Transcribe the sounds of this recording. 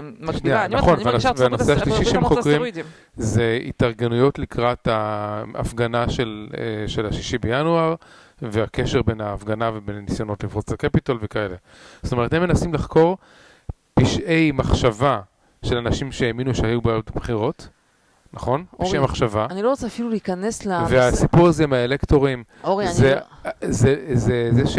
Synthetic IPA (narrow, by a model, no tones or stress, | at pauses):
ʃnianaχo̞nvveasveanosseaʃliʃiʃeemχokʁiim | zeḭtaʁɡenujo̞tlikʁathaa̰fɡanaʃelʃelaʃiʃibejanuaʁ | veake̞ʃe̞ʁbe̞naːfɡanavebe̞nanisjo̞no̞tlivχot͡slakepitalvekae̞le̞ | zot̪oe̞temenasimlaχko̞ʁ | piʃʔe̞jmaχʃava | ʃe̞lanaʃimʃeeminuʃehajubajotbχiʁo̞t | naχo̞niʃejmaχʃavaniloʁot͡seafiluliːkaneslaveasipuʁazemaelekto̞ʁim | ozezezezeʃ